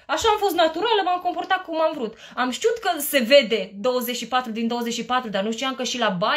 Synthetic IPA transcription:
aʃaːmfo̞st̪nat̪uɾaləmamko̞mpo̞rt̪akumamvɾut̪ | amʃt̪iut̪kəse̞ve̞d̪e̞d̪owəzeʃipat̪ɾud̪ind̪owəze̞t͡ʃʲʃipat̪ɾud̪arnuʃt̪iamkəʃilaba

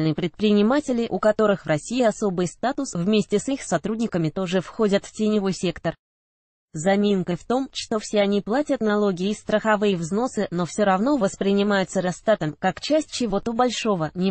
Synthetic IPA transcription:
lnɨjəpɾʲɪt̪̚pɾʲɪnʲɪmatʲɪlʲɪʔʊkɐt̪o̞ɾɨxvrɐsʲijɐso̞bɨjst̪at̪ʊsvmʲesʲtʲɪsɨxsɐt̪ɾudʲnʲɪkəmʲɪt̪o̞ʐɨfxo̞dʲət̪ftʲɪnʲɪvo̞jsʲe̞kt̪ər | zɐmʲenkəft̪o̞mʂt̪o̞fsʲeɐnʲiplˠatʲət̪nɐlˠo̞ɡʲɪɪst̪ɾəxɐvɨjəvzno̞sɨno̞fsʲoɾɐvn̪o̞vəspɾʲɪnʲɪmajʊt̪səɾɐst̪at̪əmkakt͡ɕæsʲtʲt͡ɕɪvo̞t̪obɐlʲʂo̞vənʲɪ

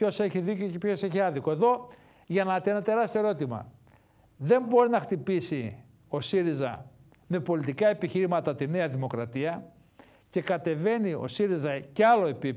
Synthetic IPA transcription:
o̞se̞çiðicocepço̞se̞çiɐðikoe̞ðo̞ | ʝɐnɐt̪enɐt̪e̞ɾɐst̪oeɾo̞t̪imɐ̰ | ðe̞mbo̞ɾinɐxt̪ipisi | o̞siɾizɐ̰ | me̞po̞lit̪ikɐe̞piçiɾimɐt̪ɐt̪ine̞ɐðimo̞kɾɐt̪iɐ | ce̞kɐt̪e̞ve̞nio̞̰siɾizɐceɐlo̞e̞pip

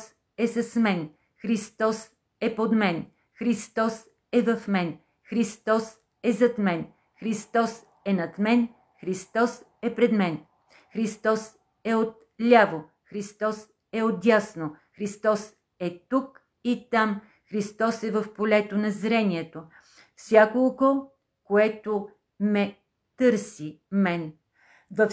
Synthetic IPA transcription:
s | ɛsɐsmɛn | xɾist̪ɔs | ɛpod̪mɛn | xɾist̪ɔs | ɛvɐfmɛn | xɾist̪ɔs | ɛzɐt̪mɛn | xɾist̪ɔs | ɛnɐt̪mɛn | xɾist̪ɔs | ɛpɾɛd̪mɛn | xɾist̪ɔs | ɛot̪̚ | lʲavo | xɾist̪ɔs | ɛod̪ʲjasnoxɾist̪ɔs | ɛt̪uk | it̪am | xɾist̪ɔsɛvɐfpolɛt̪onɐzɾɛniɛt̪o | fsʲakolˠɡo | koɛt̪o | mɛ | t̪ɤɾsimɛn | vɐf

